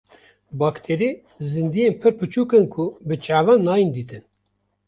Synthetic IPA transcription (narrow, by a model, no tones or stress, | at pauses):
bɑːkt̪ʰeɾi | zɨnd̪ijenpʰɨɾpɨt͡ʃʰuːkɨnkʰubɨt͡ʃʼaːvɑːnːɑːjind̪iːt̪ɨn